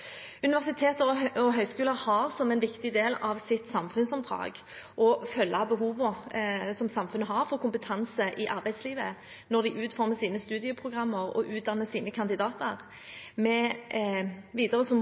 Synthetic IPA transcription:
ʉnɪʋæʁsɪt̪ʰeːt̪əɾɔɔɦœʏskʉːləɾhɑʁsɔmɛnʋɪkt̪ɪd̪eːlɑʋsɪt̪sɑmfʉnsɔmd̪ʁɑ̰ːɡ | ʔɔfœlːɑbəɦuːʋəsɔmsɑmfʉnːəɦɑɾfɔʁkʊmpət̪ʰɑnsəʔɪʔɑɾbæɪsliːʋə | nɔʁd̪ɪʔʉːt̪fɔʁməsiːnəst̪ʉːd̪ɪəpʰʁʊɡʁɑmːəʁɔ̰ʔʉːt̪̚d̪ɑnːəsiːnəkʰɑnd̪ɪd̪ɑːt̪əʁ | mɛ | ʋiːd̪əʁəsɔm

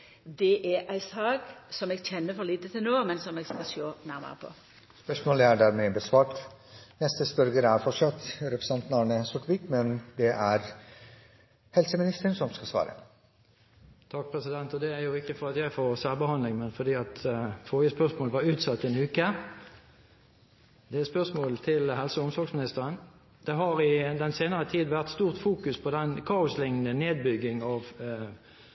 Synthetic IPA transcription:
d̪ɛʔææɪsɑːɡsɔmɛːɡc͡çɛnːəfɔliːt̪ət̪ʰɪlnoːmɛnsɔmeːɡskɑʃoːnæʁmə̰ʁəpʰo̰ | spœʂmoːləæɖæːɾmɛbəsʋɑːʈ | nɛst̪əspœɾɡəɾæɾfɔʂɑt̪ɾɛpɾəsɛnt̪nɑɳəsɔʈʋiːkmɛnd̪ɛʔæɾ | hɛlsəmɪnɪst̪əɳsɔmskɑsʋɑ̰ːɾə̰ | t̪ʰɑk̚pʰʁɛsɪd̪ɛnt̪ɔd̪ɛæɾjʊɪkːəfɔʁɑt̪jæɪfoːʁsælbəhɑnlɪŋmɛnfɔd̪iːɑt̪foːjəspœʁsmoːləʋɑʁʉːt̪sɑt̪ːɛnʉːkə | d̪̥ɛæspœʁsmoːlt̪ʰɪlɦɛlsəʊmsɔʁɡsmɪnɪst̪əʁən | d̪̥ɛɦɑɾɪd̪ɛnseːnəʁət̪ʰiːd̪ʋæʁt̪st̪uːʁt̪fuːkʉspʰɔd̪ɛnkʰɑːʊslɪŋnəneːd̪̚bʏɡːɪŋɑʋ

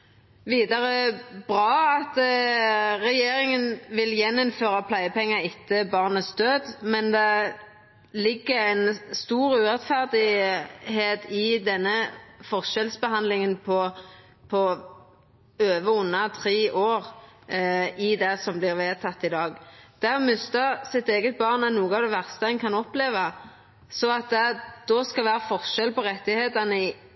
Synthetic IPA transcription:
ʋiːd̪ɑʁəbʁɑːɑt̪ | ʁɛjeːɾɪŋənʋɪljɛnːɔmføːʁɑpʰlæɪəpɛŋːɑɪt̪ʰːəbɑʁnəsd̪øːd̪mɛnd̪ɛ | lɪɡːəɛɪnst̪uːʁʉːʁɛt̪fæʁd̪ɪheːt̪ɪd̪ɛnːəfɔʁʃɛlsbəhɑnd̪lɪŋənpʰɔ | pʰɔ | øːʋəʊnːɑt̪ʰʁeːʔoːʁ | ɪd̪ɛsɔmblɪʁʋeːt̪ʰɑt̪ːɪd̪ɑːɡd̪̥æʁmʏst̪əʁsɪt̪eːɡət̪̚bɑʁnɑt̪nuːɡəɑʋd̪ɛʋæʁst̪əɛnkʰɑnɔpleːʋɑ | sɔɑt̪̚d̪ɛd̪̥ɔskɑlʋæːʁəfɔʁʃɛlpɔʁɛt̪ːɪheːt̪əʁnəɪ

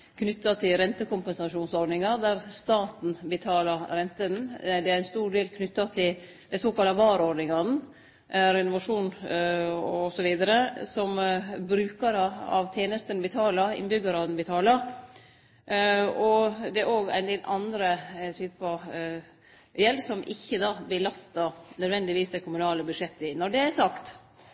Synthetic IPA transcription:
kʰnʏt̪ːɑt̪ʰɪlɾɛnt̪əkʊmpɛnsɑʂuːnsɔɾɖ̪nɪŋɑɾd̪æɾst̪ɑːt̪n̩bət̪ʰɑːlɑɾɾɛnt̪ənd̪ɛæɾɛnst̪uːɾɖeːlkʰnʏt̪ːɑt̪ʰɪl | d̪ɛsoːkɑlːɑʋɑːɾɔɾɖ̪nɪŋɑn̩ | ʔɾɛnʊʋɑʂuːn | ɔsɔʋiːd̪ɑɾəsɔmbɾʉːkəɾɑɑ̰ʋt̪ʰjeːnəst̪ənbɛt̪ʰɑːlɑɪ̰nbʏɡəɾɑd̪ɛnbət̪ʰɑːlɑ | ɔd̪ɛæɾoːɡæ̰ɪnd̪eːlʔɑnd̪ɾət̪ʰyːpɑ | jɛlsɔmʔɪ̰çːəd̪ɑːbəlɑst̪ɑnœd̪ʋɛnd̪ɪʋiːsd̪ɛkʰʊmʉnɑːləbʉd̪ʂɛt̪ːəɪnɔɖɛæsɑkt̪

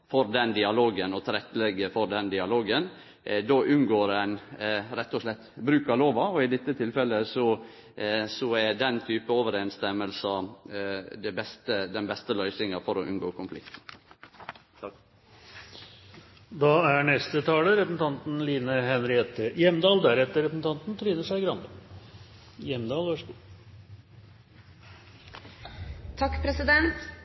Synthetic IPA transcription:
fɔɾd̪ɛnd̪ɪɑloːɡənɔt̪ʰɪɾɛt̪ːlɛɡːəfɔɾɖ̪ɛnd̪ɪɑloːɡən | d̪oːʔʉnɡoːɾɛnɾɛt̪ːɔʂlɛt̪ːbɾʉːkɑloːʋɑɔɪd̪ɪt̪ːət̪ʰɪlfɛlːəsɔ | sɔæd̪ɛnt̪ʰyːpəɔʋəɾeːnst̪ɛmːəlsɑ | d̪ɛbɛst̪əd̪ɛnbɛst̪əlœʏsɪŋɑfɔɾɔʔʉ̰nɡo̰ːkʰʊnflɪ̰kt̪n̩ | d̪ɑæɳɛst̪ət̪ʰɑːləɾɛpəsn̩t̪ʰɑnt̪n̩liːnəhɛnɾɪɛt̪əjɛmd̪ɑːld̪æɾɛt̪ːəɾɛpəsn̩t̪ʰɑnt̪n̩t̪ʰɾyːnəʂæɪɡɾɑnb̪ə | jɛmd̪ɑːlʋɑʂɡu | t̪ʰɑkːpʰɾɛsɪd̪ɛnt̪

